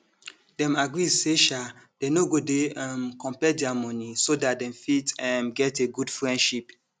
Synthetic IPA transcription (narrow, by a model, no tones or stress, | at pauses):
dɛ̃maɡɹizseʃa | d̥enoɡodeɛmkɔ̃mpɛdɛamɔ̃nisodat̚dɛ̃mfitɛmɡɛteɡudfɹɛ̃ndʃip